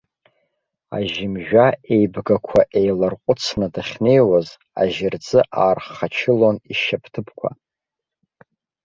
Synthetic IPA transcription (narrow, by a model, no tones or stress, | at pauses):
a̰ʒɪmʒᶣae̞jbɡakʷʰaʔe̞jlarqʷʼʊt͡sʰnadaχʲne̞jwaz | a̰ʒɪrd͡zʼɨʔaːrχat͡ʃʰɪlo̞niʃapʰtʰɨpʰkʷʰa̰